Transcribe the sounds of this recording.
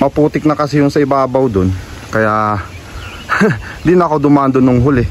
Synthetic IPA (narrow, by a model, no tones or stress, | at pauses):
mɐpuːt̪ɪk̚nɐkɐsɪjʊnsɐɪbaʔɐbɐwd̪on | kɐja | d̪inɐɐko̞d̪ʊmaːʔɐnd̪onʊŋɦʊlɛ